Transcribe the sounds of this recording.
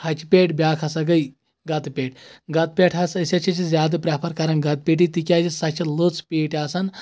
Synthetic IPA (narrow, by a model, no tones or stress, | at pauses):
hɐt͡ʃʰipʲeːʈbʲjaːkʰɐsɐɡɐj | ɡɐt̪pʲeːʈʰɡɐt̪̚pʲeːʈʰɐsɐsʲɐt͡ʃʰɐt͡ʃʰizʲjaːd̪ɐpɾʲaːpʰɐɾkɐɾɐnɡɐt̪̚pʲeːʈ̬it̪ikʲaːd͡ʒisɐt͡ʃʰilot͡speːʈaːsɐn